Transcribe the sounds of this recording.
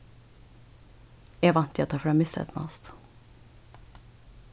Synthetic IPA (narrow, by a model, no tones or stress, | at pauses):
ɛʋɑnt̪ʰjoːt̪ʰɑːfɾɛmɪsə̰ɛ̰t̪mɑ̰ːst̪